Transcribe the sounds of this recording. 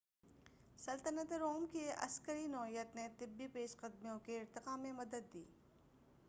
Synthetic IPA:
sɐlt̪ənət̪ɾoːmkeɐ̰skəɾinɔːjət̪net̪ɪbːipeːʃqɐd̪mijõkeɪɾt̪ɪqaːmẽmɐd̪əd̪ːiː

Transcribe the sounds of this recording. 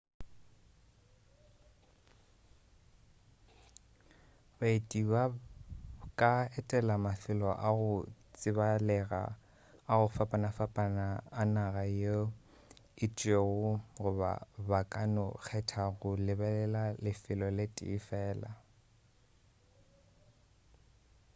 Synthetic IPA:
baetʼiba | kʼaɛtʼɛlamafɪlɔʔaɣʊt͡sʼɪbalɛɣa̰ | aɣʊfapʼanafapʼanaːnaɣajo | ɪt͡ʃʼeɣʊɣʊba̰bakʼanʊk͡xʰɛtʰaɣʊlɪbɛlɛlalɪfɪlɔlɪtʼɪ̰ːfɛːla̰

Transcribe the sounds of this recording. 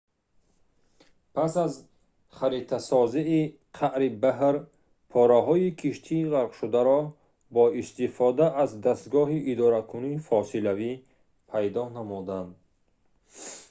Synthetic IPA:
pʰasaz | χaɾit̪ʰasɔziː | qʰaʔɾibaɦɾ | pʰɔɾaɦɔikʰiʃt̪ʰiːʁaɾqʃud̪aɾɔ | bɔist̪ifɔd̪aʔazd̪ast̪ɡɔɦiʔid̪ɔɾakʰuniːfɔsilavi | pʰajd̪ɔnamud̪and̪̚

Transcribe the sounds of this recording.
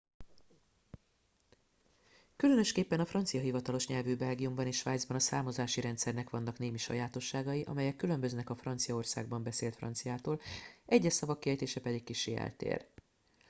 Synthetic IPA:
kylø̞nø̞ʃkeːpːɛnɒfrɒnt̪sijɒɦivɒt̪ɒlo̞ʃɲɛlvyːbɛlɡijumbɒneːʃʋaːjd̪zbɒnɒsaːmo̞zaːʃiɾɛnt̪sɛrnɛkʋɒnːɒkneːmiʃɒ̰jaːt̪o̞ʃːaːɡɒjiʔɒ̰mɛjɛkːylø̞mbøznɛkɒfrɒnt̪sijɒo̞rsa̰ːɡ̚bɒmbɛseːlt̪frɒ̰nt̪sijaːt̪oːlʔɛɟːɛʃsɒvɒkːiɛjt̪eːʃɛpɛd̪ikkiʃeːɛ̰lt̪ḛːr

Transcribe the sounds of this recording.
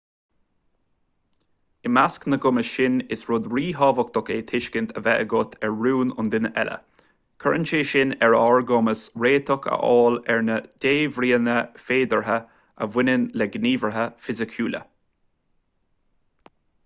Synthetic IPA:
ɪmasknəɡʊməʃɪnɪsɹʊd̪ɹiːɦɑːvək̚t̪ɔkeːt̪ʰɪʃkɪnt̪ʰəvɛʔə̰ɡʊt̪ʰɛɹɹuːnʊ̰nd̪ɪnəʔɛ̰lə̰ | kʰəɹənt͡ʃeːʃɪnɛɹɔɹɡɔməsɹeːt̪ʰɔkʰə̰ʔɔːlɛɹnəd̥eːvɾiːənəfeːd̪əɹɦə | ʔə̰vɪnənlɛɡniːvəɹɦəfɪzɪkʰjuːlə̰

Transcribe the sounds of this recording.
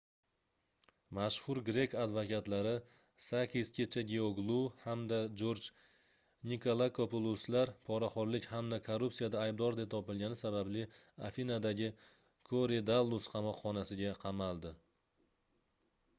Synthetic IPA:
maʃhʊɾɡɾe̞kad̪vokʲat̪laɾɪ | sakʲʰiskʲʰe̞t͡ʃʰaɡʲeoɡlˠuhamd̪ad͡ʒoɾd͡ʒ | nikʰolˠakʰopolˠuslaɾpʰɒɾaχɒɾlɪkʲhamd̪akʰoɾupsijad̪aːjb̚d̪ɒɾd̪e̞p̚t̪ʰɒpɪlɡʲanɪsabablɪafinad̪aɡʲɪ | kʰoɾed̪alˠːusqʰɑmɒqχɒnasɪɡʲaqʰɑmalˠd̪ɪ

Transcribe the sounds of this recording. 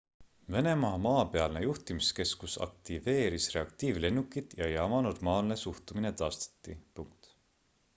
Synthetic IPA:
ve̞ne̞mɑmɑːpe̞ɑlnejuht̪imiske̞skusɑ̰k̚t̪ive̞ːɾisre̞ɑkt̪iːvle̞nːukːˑit̪ˑjɑjɑmɑno̞rmɑːlne̞suht̪umine̞t̪ɑːst̪ɑ̥t̪ːˑipuŋk̚t̪

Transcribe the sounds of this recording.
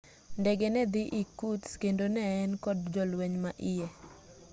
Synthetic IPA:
ndɛɡɛnɛd̪ɪʔikutskendonɛːnkɔdd͡ʒɔlwɛɲmaʔɪjɛ

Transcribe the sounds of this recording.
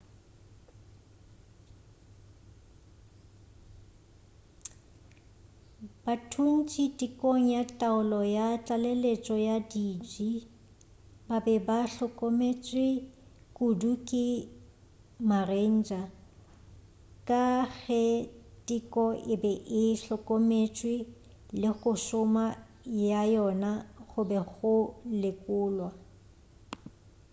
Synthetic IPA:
b̥atʰun̩t͡ʃʼitʼikʼoŋ̩jatʼaʊlɔjat͡ɬʼalelet͡ʃʼɔjadid͡ʒi | babɛbaɬɔkʼɔmet͡ʃʼɪkʼudukʼɪ | maren̩ːd͡ʒʼa | kʼaɣɛtʼikʼɔʔɪbɛʔɪɬɔkʼomet͡ʃʼwɪ | lɪɣʊsʊma | jajɔnaχʊbɛɣʊlɪkʼʊːlwa

